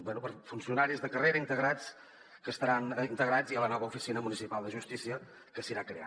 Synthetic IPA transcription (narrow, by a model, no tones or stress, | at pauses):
bwɛnupəɾfunsiunaɾizðəkəreɾəint̪əɣɾat͡s | kəst̪əɾanint̪əɣɾad͡ziələnɔβ̞əufisinəmunisipalˠd̪əʒust̪isiə | kəsiɾakɾea̰